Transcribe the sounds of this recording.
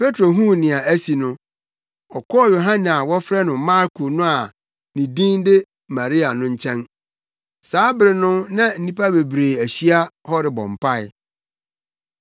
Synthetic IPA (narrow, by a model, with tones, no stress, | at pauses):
pʰe˦tʰɾo˨ɦũ˦nɪ̃˨a˨æ˦si˨nʊ̃˦ | ɔ˨kʰɔ˦ɔ˦jo˨ɦã˦n˨a˨wɔ˦fɾɛ˦nʊ̃˨mã˦ɾkʰo˨nʊ̃˦a˨ | nĩ˨dĩ˦n˦dɪ˦ | mã˨ɾi˦a˨nʊ̃˦ɲ̩˦t͡ɕʰɛ̃˦n | saː˨˦bɪ˨ɾɪ˨nʊ̃˦nã˦n̩˦nĩ˦pʰa˦be˨bɾe˨æ˨ɕi˦a˦hɔ˦ɾɪ˨bɔ̰̃˨m˨pʰa˦˨ɪ˨